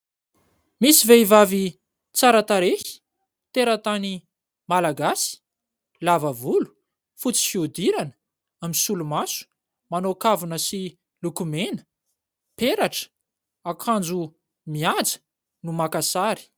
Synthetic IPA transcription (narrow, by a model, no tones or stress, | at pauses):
misiveivavi | t͡saɾat̪aɾehi̥ | t̪eɾat̪ani | malaɡasi̥ | lavəvulu̥ | fut͡si̥fiud̪iɾanə̥ | aminsulumasu̥ | manokavunəsi | lukumenə̥ | peɾaʈ͡ʂə̥ | akʰand͡zu | miad͡zə̥ | numakasaɾi̥